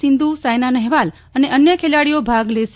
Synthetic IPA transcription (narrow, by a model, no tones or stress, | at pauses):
ɪnd̪usajnanɛɦʋal | əneʔənjəkʰelaɽijobʱaɡleʃ